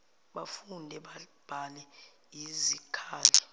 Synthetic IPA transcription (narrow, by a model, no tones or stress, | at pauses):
ɓafundʱɛ | b̥ʱalɛ | izikʰaːlɛ